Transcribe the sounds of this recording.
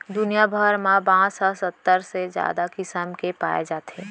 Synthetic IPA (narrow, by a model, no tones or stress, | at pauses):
d̪ʊnijabʱəɾmãbãːɔsət̪ːəɾsed͡ʒja̰ːd̪akɪsəmkepa̰ːḛd͡ʒaːt̪eː